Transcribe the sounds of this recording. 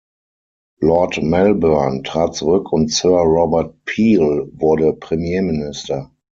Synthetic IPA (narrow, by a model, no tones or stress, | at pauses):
lɔɐtmɛlbœɐntʁ̥aːt̚t͡suʁʏkʰʊ̃ntsœɐʁɔbəɐt̚pʰiːlvʊɐdəpʁ̥emjeːmɪnɪstɐ